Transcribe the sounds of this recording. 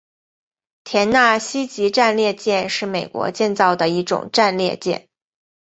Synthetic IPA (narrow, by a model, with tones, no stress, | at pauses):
t̪ʰjɛ˧˥nna˥˩ɕi˥t͡ɕi˧˥ʈ͡ʂa˥˧nljɛ˥˧t͡ɕjɛ˥˧nʂɻ̩˥˩me˨˩ɪkwɔ̰˧˥t͡ɕjɛ˥˧nt͡sɑ˥˩ʊd̪ə˩i˥˩ʈ͡ʂʊ̰˨˩ŋʈ͡ʂa˥˧nljɛ˥˧t͡ɕjɛ̰˥˩n